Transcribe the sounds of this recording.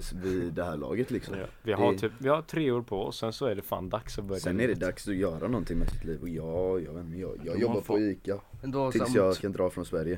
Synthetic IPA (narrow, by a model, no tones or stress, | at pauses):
vɪd̪ɛhæːɭɑ̰ːɡət̪lɪksɔm̰vɪɦat̪ʰyːpvɪhaʈ̪ʰɾeːoːɾpʰɔɔsːɛnsɔæɖɛfa̰ːnd̪aksɔbœɾjsɛnɛɖɛd̪aksɔjœːɾʔanɔnt̪ʰɪŋmɛsɪt̪liːvɔjɑːjɑːvɛnmɛjɑ̰ːjɑːɡjɔbbːaɾpʰɔiːkːad̪ʰɪsjɑkʰand̪ɾɑːfɾɔnsvæɾjə